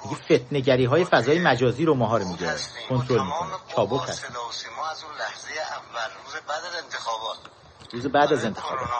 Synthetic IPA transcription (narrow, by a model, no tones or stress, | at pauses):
miɟefe̞t̪ʰneɟæɾiːɦɒːje̞fæzɒːjemæd͡ʒɒːziːɾomɒɦɒːɾomiːɡɾekʰo̞nt̪ʰɾo̞lmiːkʰoni̥t͡ʃʰɒːbokhæsḭd̪simɒːæzulæhzejeʔævːælruːzebæd̪æzent̪ʰexɒːbɒːt̪ | ɾuːzebæːd̪æze̞nt̪ʰe̞xɒ̰ːbɒ̰ːt̪